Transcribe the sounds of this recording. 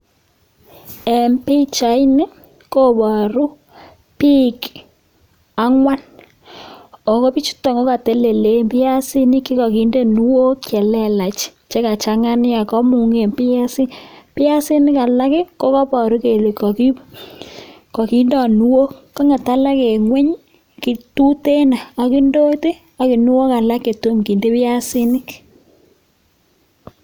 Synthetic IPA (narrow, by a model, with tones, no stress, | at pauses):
ɛ˨mpi˦t͡ʃa˨˦i˦nɪ˦ | ko˦pɔ˨ɾu˦ | pi˦k | a˦ŋwa˦n | ɔ˨kɔ˦pi˦t͡ʃu̥˦tɔ˨ŋɡo˦ka˨te˨˦le˨le˨mpɪ˦a˦si˦ni˦ki˦kɔ˨ki˨˦nde˦nu˦wo˦kɛ˨lɛ˦la˨t͡ʃ | t͡ʃe˦ka˨t͡ʃa˨ŋa˦n˦a˨kɔ˦mu˨ŋe˨mpɪ˦a˦si˦pɪ˦a˦si˦nɪ˦ka˨la˦kɪ˦ko˦kɔ˦pɔ˨ɾu˦ke˨le˨kɔ˨ki˦ | kɔ˨ki˦ndɔ˨nu˦wo˦ka˦ŋa˨ta˦la˦ke˨ŋwɛ˦ɲ | ki˨tu˦te˦na˨a˨ki˦ndo˦te˦ | a˨ki˨nu˦o˦ka˨la˦kːe˨to˦mki˨nde˦pɪ˦ja˦si˦ni˦k